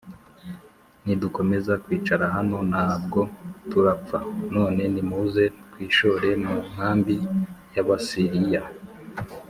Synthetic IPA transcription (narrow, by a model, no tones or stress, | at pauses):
niduko̞me̞zakwiːt͡ʃaɾaɦano̞naːb̚ɡo̞tuɾap͡fano̞ːne̞nimuze̞kwiːʃo̞ɾe̞muŋ̥aːmbijaβasiɾija